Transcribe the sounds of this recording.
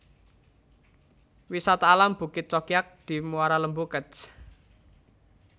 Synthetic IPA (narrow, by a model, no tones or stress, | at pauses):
wisat̪aːlamb̥ṳkɪt̪̚t͡ʃɔkiak̚d̪̥i̤muaɾaləmbukət͡ʃ